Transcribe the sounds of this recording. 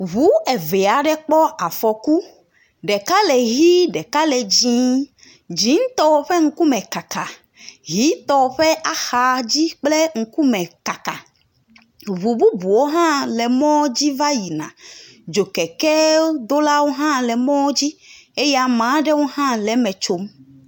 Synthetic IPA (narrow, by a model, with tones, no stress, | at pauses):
βu˦e˨ve˨a˨ɖɛ˦k͡pɔ˦a˨fɔ˨ku˦ | ɖɛ˨ka˦lɛ˨ɦi˦ɖɛ˨ka˦lɛ˨d͡ʑĩ˦ | d͡ʑi˨˦ŋ˦t̪ɔ˦wo˦ɸe˦ŋ̩˦ku˦mɛ̃˨ka˨ka˨ | ɦi˨˦t̪ɔ˨ɸɛ˦ʔa˨xa˨d͡ʑi˦k͡ple˦ŋ̩˦ku˦mɛ̃˨ka˨ka̰˨ | βu˨bu˦bu˨wo˦ɦã˦lɛ˨mɔ̃˦d͡ʑi˦va˦ji˨nã̰˨ | d͡ʒo˨kɛ˨kɛ˦d̪o˦la˦wo˦ɦã˦lɛ˨mɔ̃˦d͡ʑi˦e˦ja˦˨mã˨˦ɖɛ˦wo˦ɦã˦lɛ˨˦mɛ̃˨t͡ʃo˨m